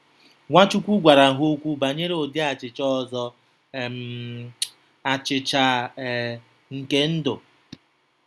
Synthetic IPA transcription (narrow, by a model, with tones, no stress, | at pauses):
ŋʷa˦t͡ʃu˦kʷu˦ɡʷa˨ɾa˨ɦo˦kʷu˦ba˨ɲe˦ɾe˦o˨dɪ˦a˨t͡ʃɪ˨t͡ʃɔ˦˨zɔ˦˨ | m˦ | a˨t͡ʃɪ˨t͡ʃa˨ | ŋ̩˨ke˦n̩˦do˨